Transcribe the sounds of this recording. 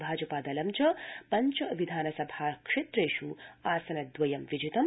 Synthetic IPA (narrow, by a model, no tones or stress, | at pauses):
bʱaːd͡ʒɐpaːd̪ɐlɐmt͡ʃɐpɐɲt͡ʃɐʋid̪ʱaːnɐsɐbʱaːkʂet̪ɾeːʃuaːsɐnɐd̪ʋɐjɐmʋid͡ʒit̪ɐm